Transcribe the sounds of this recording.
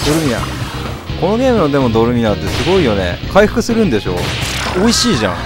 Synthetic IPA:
d̪̥o̞ɾɯ̟mʲina̰ | ko̞no̞ɡʲe̞ːmɯ̟nod̪e̞mo̞d̪o̞ɾɯ̟mʲinat̪ːe̞sɨɡo̞ijo̞ne̞̰kʰaiɸɯ̥kɯ̟sɨɾɯ̟̃nd̪e̞ɕo̞̰ːo̞iɕiːʑã̰ŋ

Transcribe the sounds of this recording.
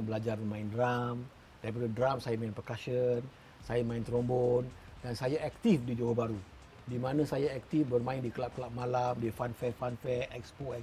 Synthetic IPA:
bəlad͡ʒarmãɪndram | d̥aɾip̬adədramsajamainprəkaʃən | sajamaɪnt̪ɾombɔndansajaʔɛk̚t̪ifdid͡ʒowohbaɾu | dimanãsajaɛk̚t̪ifbərmãɪndikəlap̚kəlaʔ̚malamdifanfɛfanfɛɛkspoɛ

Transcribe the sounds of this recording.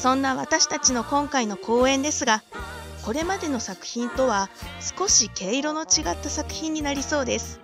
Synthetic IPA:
sõ̞nːaβat̪aɕi̥t̪at͡ɕino̞kõ̞ŋkaino̞kʰo̞ːẽ̞nd̪e̞sɨɡa | ko̞ɾe̞mad̪e̞no̞sakɯ̟̥çĩnt̪o̞βasɨ̥ko̞ɕike̞ːiɾo̞no̞t͡ɕiɡat̪ːasakɯ̟̥çĩɲ̟ːinaɾʲiso̞ːd̪e̞sɨ̥

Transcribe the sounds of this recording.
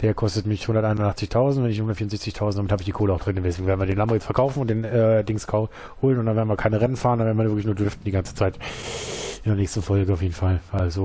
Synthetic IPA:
d̥eːɐkʰɔstətmɪçhʊndɐtʔaɪnʊndʔaχt͡sɪçtʰaʊzn̩tvɛnɪçhʊndɐtfiːʊnzɛçt͡sɪçtʰaʊzn̩td̥amɪthaːbɪçd̥iːkʰoːləaʊxd̥ʁɪnmdɛs̬eːɡŋ̩veːɐdnviɐdenlambəjɛt͡stfɛɐkʰaʊfn̩ʊntd̥eːnɛːdɪŋskʰaʊ | hoːlənʊntdanveɐnviːɐkʰaɪnəʁɛnənfaːʁndanvɛdn̩mvɐnvɪɐkɪçnuːɐdʏɐftn̩diːɡant͡sə̥t͡saɪt | ʔɪndɛɐnɛːçstn̩fɔlɡəaʊfjeːdn̩falvalzo

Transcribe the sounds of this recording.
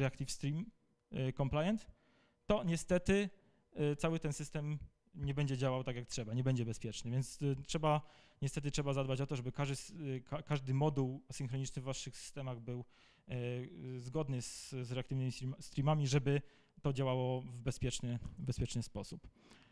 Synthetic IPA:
ɾɛak̚t̪ifst̪ɾim | kɔmplajɛnt̪ː | ɔɲɛst̪ɛt̪ɘ | t̪sawɘt̪ɛnsɘst̪ɛm | ɲɛbɛɲd͡ʑɛd͡ʑawawt̪aɡjak̚tʂɛbaɲɛbɛɲd͡ʑɛbɛspʲjɛt͡ʂnɘvʲjɛnt̪stʂɛba | ɲɛst̪ɛt̪̬ɘtʂɛbazad̪̚bat͡ɕɔt̪ɔʐɛbɘkaʐd̪ɘskakaʐd̪ɘmɔd̪uwasɨŋxɾɔɲit͡ʂnɘvːaʂɘxsɨ̥st̪ɛmaɣbɘw | zɡɔd̪nɘzzɾɛakt̪ɘvnɘmʲist̪ɾimamʲiʐɛbɘ | t̪ɔd͡ʑawawɔvbɛspʲjɛt͡ʂnɘbɛspʲɛt͡ʂnɘspɔsup

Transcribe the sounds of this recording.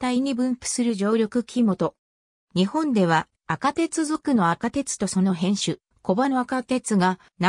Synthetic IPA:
t̪aiɲ̟ibɯ̟̃mpɯ̟̥sɨɾɯ̟ʑo̞ːɾʲo̞kɯ̟kʲʰimo̞t̪o̞ | ɲ̟ihõ̞nd̪e̞β̞aː | kat̪e̞t͡sɨzɨkɯno̞akat̪e̞t͡sɨ̥t̪o̞so̞no̞ɦẽ̞ɰ̃ɕɨ | ko̞bano̞akat̪e̞t͡sɨɡa | na

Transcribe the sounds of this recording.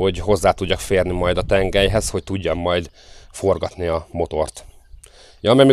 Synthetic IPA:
o̞ɟɦo̞zːaːt̪uɟːɒkfeːrnimɒjd̪ɒt̪ɛŋɡɛjɦɛsho̞c̚t̪uɟːɒmmɒjd̪fo̞rɡɒt̪niɒmo̞t̪o̞rt̪ | jɒmɛmi

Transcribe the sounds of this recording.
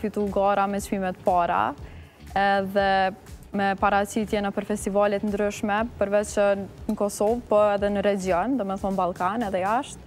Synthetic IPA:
fit̪uɡaɾamɛt͡ʃmimɛt̪paɾa̰ | ɛðɛmɛpaɾat͡ɕit̪jɛnapəɾfɛst̪ivalɛt̪ənd̪ɾyʃmɛpəɾvɛt͡ʃənəkɔsɔvpɔɛðɛnəɾɛd͡ʒiɔnd̪ɔmɛθɔnbalˠkanɛðɛaʃt̪̚

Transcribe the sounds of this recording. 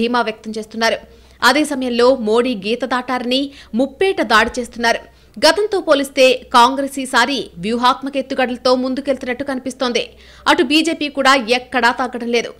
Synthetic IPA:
iːmaːʋjɐk̚t̪ɐmt͡ʃe̞ːst̪unːaːɾu | ɐd̪eːsɐmɐjɐmlo̞ːmo̞ːɽiːɡiːt̪ɐd̪aːʈaːɾɐnimupːɛːʈɐd̪aːɽit͡ʃe̞ːst̪unːaːɾu | ɡɐt̪ɐnt̪o̞ːpo̞ːlist̪e̞ːkaːŋɡɾeːsiːsaːɾiʋjuɦaːt̪mɐke̞t̪ːuɡɐɽɐlɐt̪o̞ːmund̪uke̞lt̪unɐʈːukɐnipist̪ond̪i | ɐʈubiːd͡ʒe̞ːpiːkuːɽaːɛkːɐɽaːt̪ɐɡːɐɽɐmle̞ːd̪ṵ

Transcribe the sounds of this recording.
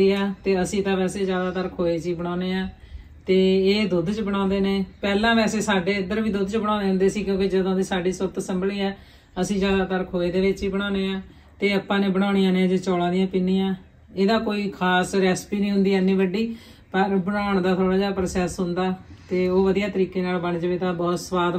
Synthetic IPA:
iːaːt̪eːəsĩːt̪ãːʋɛːseːzjaːd̪aːt̪əɾkʰoːeːt͡ʃiːbəɽ̃ãːneːaː | t̪eːeːd̪ʊd̪t͡ʃbəɽ̃ãːnd̪eːneːpɛːlãːʋɛːseːsaːɖeːɪnd̪əɾbiːd̪ʊd̪t͡ʃbəɽ̃ãːneːɦʊ̃nd̪eːsiːkjõːkid͡ʒəd̪õːd̪iːsaːɖiːsəɾt̪səmbəliːɛː | əsĩːzjaːd̪aːt̪əɾkʰoːeːd̪eːʋɪt͡ʃiːbəɽ̃aːneːãː | t̪eːəpːãːnẽːbəɽ̃aːɽ̃ijãːnẽːd͡ʒoːt͡ʃɔːlãːd̪ɪjãːpɪnːiːjãː | eːd̪aːkoːiːkʰaːsɾɛːspiːnĩːɦʊ̃nd̪iːɛnːĩːʋəɖiː | pəɾbəɽaːɳd̪aːt̪ʰoːɽaːd͡ʒaːpɾsɛːsɦʊnd̪aːt̪eːoːʋəd̪ijaːt̪əɾiːkeːnaːlbəɳt͡ʃʋeːt̪aːbɔːt̪səʋaːd̪

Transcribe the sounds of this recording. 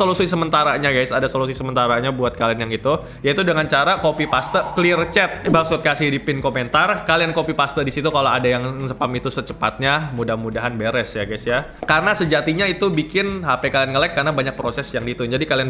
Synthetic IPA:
solusuisəmənt̪aɾaɲaɡajsadasolus̬uisəmənt̪aɾaɲabuat̪̚kalianjaŋit̪u | jait̪udəŋant͡ʃaɾakopipast̪əklirt͡ʃɛt̪̚baksʊt̪̚kasidipɪnkoment̪arkaliankopipast̪ədisit̪ukaloadajaŋsəpamit̪usət͡ʃəpat̪̚ɲamudahmudaɦanbeɾɛsjaɡajsja | karənasəd͡ʒat̪iɲait̪ubikɪnɦapɛkalianŋəlɛkːarnabaɲak̚pɾosɛsjaŋdit̪ʊnd͡ʒadikalian

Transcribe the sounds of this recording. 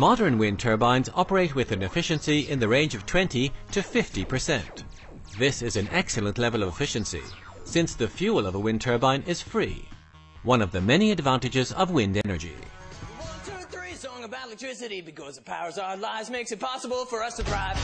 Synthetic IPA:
mɑɾə̃˞nwɪ̃ntʰɜ˞bãɪ̃nzɑpə˞eɪt̚wɨðɨ̃nɨfɪʃɨ̃nsiʔɪ̃nðɨɹẽɪ̃nd͡ʒʌv̥tʰw̥ɛ̃ntiɾɨfɪftipʰə˞sɛ̰̃nʔ | ðɪsɨzɨ̃nɛksl̩ˠə̃nʔlɛvəlˠʌvɨfɪʃɨ̃nsḭ | sɪ̃nsðɨfjʉlˠʌvəwɪ̃ntʰɜ˞bãɪ̃nʔɪz̥fɹḭ | wʌ̃nʌvðɨmɛniɨdvæ̃ntɨd͡ʒɨzʌ̰vwɪ̃ndɛnə̰˞d͡ʒḭwʌ̃ntʰuəθɹisɔ̃ŋəbaʊtˡlɨk̚tʰɹ̥ɪsɨɾibɨkʰʌzəpʰaʊə˞zaʊə˞laɪvzmeɪksɨt̚pʰɑsəbl̩ˠfə˞ʌstʰɨdɹaɪv̥

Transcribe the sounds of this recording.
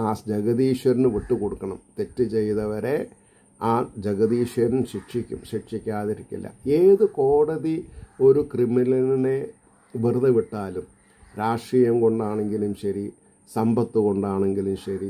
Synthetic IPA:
aːd͡ʑeɣɐðiːʂɐɾinɨʋiʈːuko̞ɽukːɐɳɐmt̪e̞tːɨt͡ɕe̞jt̪ɐʋɐɾe̞ | aːd͡ʑɐɣɐðiːʂɐɾnɨɕiʈʂikʲːṵmɕiʈʂikʲːaːðiɾikʲːḭlːɐ̰eːðɨko̞ːɽɐðio̞ɾukrimilɐnine̞ | ʋirðɐʋiʈːaːlum | ɾaːʂrijɐmko̞ɳɖaːɳe̞ŋɡilumɕɐɾi | sɐmbɐt̪ːuɣo̞ɳɖaːɳe̞ŋɡilumɕɐɾi

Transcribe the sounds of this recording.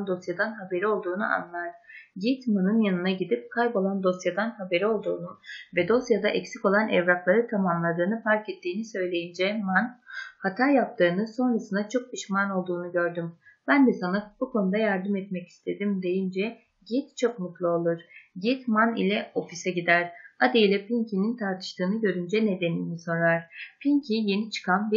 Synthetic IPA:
nd̪o̞sjad̪anɦabe̞ɾio̞lˠd̪uːnuʔa̰nlˠaɾ̥ɟit̪manɯnjanɯnaɟid̪ip̚kʰajbo̞lˠand̪o̞sjad̪anɦabe̞ɾio̞lˠd̪uːnuvɛd̪o̞sjad̪aʔɛcsiko̞lˠanɛvɾaklˠaɾɯt̪ʰamamlˠad̪ɯːnɯfaɾcɛt̪ːiːnisø̞jlʲe̞jind͡ʒɛmanhat̪ʰajap̚t̪ʰɯːnɯso̞nɾasɯnd̪at͡ʃʰo̞k̚piʃmano̞lˠd̪uːnuɟø̞ɾd̪ymb̥ænd̪ɛsanab̥ukʰo̞nud̪ajaɾd̪ɯmɛt̪mɛci̥st̪ʰe̞d̪imd̪e̞jind͡ʒɛ | ɟit̪t͡ʃʰo̞kmut̪lˠɯo̞lˠuɾ̥ɟit̪manḭlʲɛo̞fisɛɟid̪æɾ̥ad̪ejlʲɛpʰiɲcʰinint̪ʰaɾt̪ʰɯ̥ʃt̪ʰɯːnɯɟø̞ɾynd͡ʒɛne̞d̪e̞niːniso̞ɾaɾ̥pʰiɲcʰije̞nit͡ʃʰɯ̥kʰanbi

